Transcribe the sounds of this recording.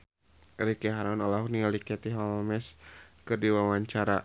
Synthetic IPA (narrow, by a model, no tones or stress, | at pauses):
ɾikɛɦaɾɔnɔlaɦuknialikɛt̪iɦɔlmɛskɨrdiwawaɲt͡ʃaɾa